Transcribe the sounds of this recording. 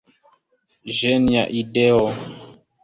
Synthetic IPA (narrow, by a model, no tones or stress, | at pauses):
ʒɛnjaʔidɛɔ